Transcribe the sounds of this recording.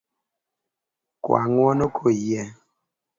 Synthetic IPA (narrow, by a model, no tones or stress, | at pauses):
kwa̰ŋwɔnokʰojɛ